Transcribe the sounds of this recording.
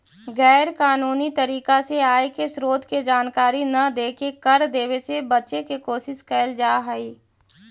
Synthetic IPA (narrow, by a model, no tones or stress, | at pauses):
ɣɛːɾkaːnuːnit̪əɾiːkaseaːekesɾoːd̪ʱked͡ʒaːnkaːɾinɐd̪eːkekɐɾd̪eːʋesebɐtːʃekekoːʃɪskəɪld͡ʒaːɦəiː